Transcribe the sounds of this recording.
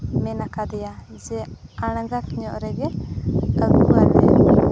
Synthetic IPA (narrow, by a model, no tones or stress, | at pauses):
mɛnakad̪ɛja | d͡ʒɛ | aɽ̃aɡakɲɔʔɾɛɡɛkaɡuwaɾnɛ